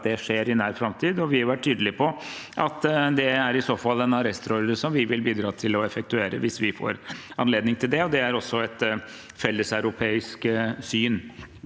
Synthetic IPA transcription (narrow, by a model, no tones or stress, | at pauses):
d̪ɛʂeːɾɪnæːɾfɾɑmt̪ʰiːd̪ɔʋɪhɑɾʋæʈ̚ʰːyːd̪əlɪpʰɔʔɑt̪ːd̪ɛæɾɪsoːfɑlːɛnɑɾɛst̪ɾɔɾd̪əsɔmʋɪʋɪlbiːd̪ɾɑːt̪ʰɪlɔɛfɛk̚t̪ʉeːɾə̰ʋɪsʋɪfo̰ːɾɑnleːd̪nɪŋt̪ʰɪld̪ɛɔd̪ɛæɾɔsːɔɛt̪ | fɛlːəsɑʉɾʊpʰeːɪsksyːn